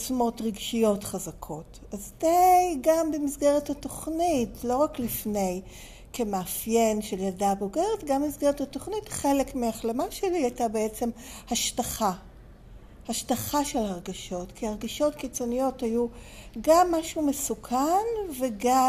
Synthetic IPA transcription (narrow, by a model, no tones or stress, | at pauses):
t͡sumo̞tʁiɡʃijo̞tχazakʰo̞t | azdajɡambemisɡeʁethato̞χnitlo̞ʁaklifne̞j | kemeafje̞nʃeljadaboɡe̞ʁetɡammisɡeʁethato̞χnitχe̞lekmiaχlemaʃeliajtabeet͡se̞mhaʃtaχa | haʃtaχaʃe̞lhaʁɡaʃo̞tkʰiaʁɡaʃo̞tkit͡so̞nijo̞thaju | ɡamːaʃumesukʰanveɡa